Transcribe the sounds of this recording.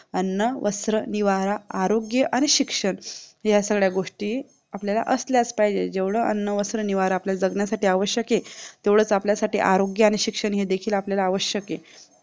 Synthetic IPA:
ənːəʋəsɾəniʋaɾaːɾoɡjəʔaɽ̃iɕikʂəɳjasəɡɭjaɡoʂʈiː | apljala̰ʔəsljat͡spajd͡ʑed͡ʑeʋɽəənːəʋəsɾəniʋaɾaːpljad͡zəɡɳjasaʈiːaʋəɕjəket̪eʋɭ̤əːt͡sapljasaʈiːʔaɾoɡjəaɽ̃iɕikʂəɳɦed̪ekʰiːlapljalaːʋəɕjəke

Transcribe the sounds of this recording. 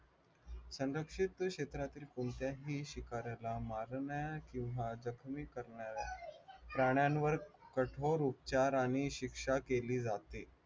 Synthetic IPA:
sə̃nɾəkʂit̪kɕet̪ɾat̪iːlkumt̪jaɦiːɕikaɾalamaɾɳjakĩw̃ʋad͡zəkʰmiːkəɾɳjaɾapɾaɽ̃janʋəɾkəʈʰoɾup̚t͡ɕaɾaɽ̃iɕikʂakeliːd͡zat̪e

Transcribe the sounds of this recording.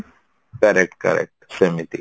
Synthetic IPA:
kɐɾɛk̚ʈ̚kɐ̰ɾɛ̰k̚ʈsemit̪i

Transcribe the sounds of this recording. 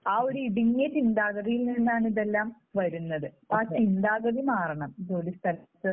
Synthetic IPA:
aːo̞ɾuiɽiŋːɐt͡ɕind̪aːɣɐðijilninːaːɳiðelːaːm | ʋɐɾunːɐðɨ | aːt͡ɕind̪aːɣɐðimaːrɐɳɐmid̪oːlist̪ʰɐlɐt̪ːɨ

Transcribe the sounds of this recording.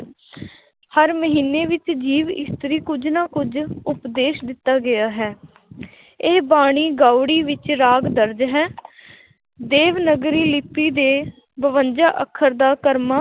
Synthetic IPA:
həɾməɦiːneːʋɪt͡ʃd͡ʒiːʋɪ̰st̪əɾiːkʊd͡ʒnaːkʊd͡ʒʊpd̪eːʃd̪ɪt̪ːaːɡɪjaːɦɛː | eːbaːɽ̃iːɡaːʊɽiːʋɪt͡ʃɾaːɡd̪əɾd͡ʒɦɛː | d̪eːʋnəɡɾiːlɪpːiːd̪eː | bəʋənd͡ʒaːʔəkʰːəɾd̪aːkəɾmaː

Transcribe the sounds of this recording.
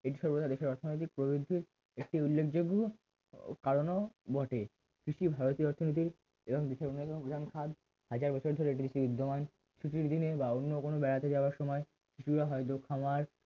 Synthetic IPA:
eʈ̬iʃɔɾbot̪ad̪eʃeɾɔɾt̪ʰonojt̪ik̚pɾobid̪ʱːiɾ | ek̚ʈiulːekʰd͡ʑoɡo | kaɾonobɔʈe | kɾiʃibʱaɾot̪ioɔɾt̪ʰonit̪̬iɾ | eboŋd̪eʃeɾonːek̪opod̪ʱankʰad̪ | had͡ʑaɾbɔt͡ɕʰoɾd̪ʱoɾeeʈid̪eʃibud̪ʱːoman | t͡ɕʰuʈiɾd̪inebaonːokonobɛɾat̪ed͡ʑaoaɾʃɔmɔe | ʃɾiʃuɾaɦɔet̪̬okʰːamaɾ

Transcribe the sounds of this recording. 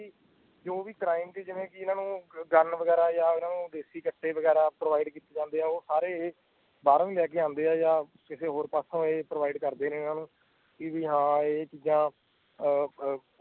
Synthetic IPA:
iː | d͡ʒoːʋiːʈɾaːɪmk̪iːd͡ʒɪʋẽːkɪɪnãːnũːɡənʋəɡɛːɾaːjaːɪnãːnũːd̪eːsiːkəʈʰːeːʋəɡɛːɾaːpɾoːʋaːiɖkiːt̪eːd͡ʒãːnd̪eːaːoːsaːɾeːeː | baːɾãːʋiːlɛːkeːãːnd̪eːaːjaː | kɪseːɦoːɾpaːsõːeːpɾoːʋaːiɖkəɾd̪eːnẽːɪnãːnũː | kɪʋiːɦãːeːt͡ʃiːd͡ʒãː

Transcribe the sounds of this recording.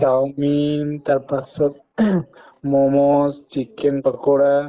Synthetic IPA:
tawmint̪aɾpasət̪̚ | mɔmɔst͡ʃikenpəkoɽa

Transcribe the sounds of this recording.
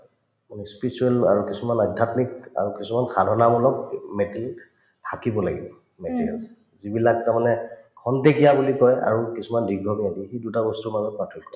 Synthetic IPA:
manɛspisuɛla̰ɹukisumanadʱatnika̰ɹukisumanxadʱɔnamɔlɔk̚metlik | tʰakibɔla̰ɡḭbɔ | metʰia̰ns | zibilak̚taɹmanɛkʰɔntekijabulikɔja̰ɹukisumandiɡʱɔmiadixedutabɔstumazɔt̚patʰɔtkʰɔ

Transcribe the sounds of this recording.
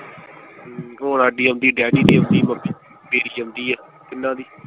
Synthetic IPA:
oːnaːɖiːəmd̪iːɖɛːɖiːɖiːəmd̪iːməbi | beːɾiːəmd̪iːɛː | kɪnːãːd̪iː

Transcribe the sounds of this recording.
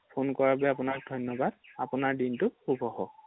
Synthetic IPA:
pʰonkɔɹabɛapʊnak̚dʱɔjnːɔbad̚apʊnaɹdintʊxubʱɔɦɔ

